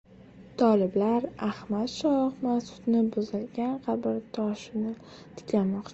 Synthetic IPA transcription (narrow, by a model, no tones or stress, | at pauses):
t̪ʰɒlɪblaɾahmat̪ʃɒχmasʊ̥t̪nɪbʊzɪlɡʲanqʰɑbɪɾt̪ʰɒʃɪnɪ | t̪ʰɪ̥kʲlanmɒqt͡ʃʰa